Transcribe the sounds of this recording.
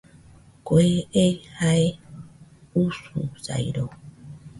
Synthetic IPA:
koeehae | usṵsa̰jɾo

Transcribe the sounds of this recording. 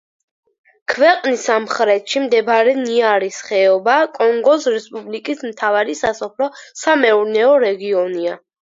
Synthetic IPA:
kʰvɛqʼnisamχɾɛt̪ʃimd̪ɛbɾɛniaɾisχɛɔbakʼɔŋɡɔsɾɛspʼublikʼismt̪ʰavaɾisasɔpʰlɔsamɛuɾnɛɔɾɛɡiɔnia

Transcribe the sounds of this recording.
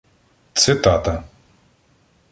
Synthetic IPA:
t̪sɪt̪ɑt̪ɐ

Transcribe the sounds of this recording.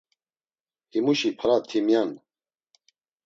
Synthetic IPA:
himuʃipʰɐɾat̪ʰimjan

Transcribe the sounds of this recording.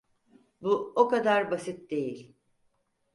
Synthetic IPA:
buokad̪aɾbasit̪̚d̪e̞jilʲ

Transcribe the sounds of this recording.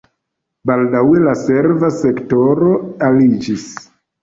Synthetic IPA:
baldawe̞lase̞ɾvase̞kto̞ɾo̞alid͡ʒis

